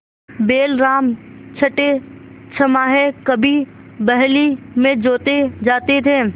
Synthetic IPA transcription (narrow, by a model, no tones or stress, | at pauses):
beːlɾaːm | t͡ʃʰɐʈe | t͡ʃʰɐmaɦɛkɐbʱi | bɛɦlimẽd͡ʒoːt̪ed͡ʒaːt̪et̪ʰeː